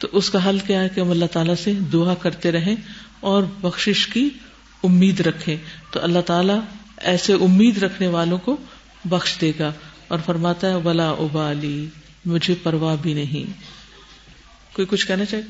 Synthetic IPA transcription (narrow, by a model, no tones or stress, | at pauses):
t̪oʔʊskaɦɐlkjaɦɛkeɦɐmɐlːaɦt̪aːlased̪ʊakɐɾt̪eɾɐɦẽɔːɾbɐxʃɪʃki | ʊmːiːd̪ɾɐkʰːẽːt̪o̰ʔɐlːaɦt̪aːla | ɛːseʔʊmːiːd̪ɾɐkʰneʋaːlõko | bɐxʃd̪eːɡa | ɔːɾfɐɾmaːt̪aɦɛʋɐlaʔʊbaːliː | mʊd͡ʒʱepɐɾʋabʱinɐɦḭ̃ː | koːikʊt͡ʃʰkɛɦnat͡ʃaːɦiɡ